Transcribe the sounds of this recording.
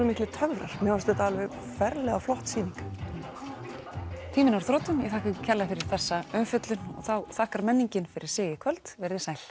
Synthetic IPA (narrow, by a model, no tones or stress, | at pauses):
ʏmɪht̪lɪt̪ʰœɣvɾaɾ̥mɛɔst̪ɛt̪aalvɪ | fɛɾlɛɣaflɔht̪siːniŋk | t̪ʰiːmɪnaɾ̥θɾɔːt̪ʏmjɛθaːhkʏcʰɛlːafɪɾɪɾ̥θɛsːaœmfʏt̪lʏnɔ̰ɣθawθaːhkaɾmɛnːiɲcɪnfɪɾʔɪɾ̥sɪːɣɪkʰvœlt̪vɛɾðɪsaːjl̥